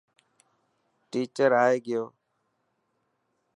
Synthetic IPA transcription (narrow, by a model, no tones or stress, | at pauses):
ʈiːt͡ʃəɾaːeːɡɪjoː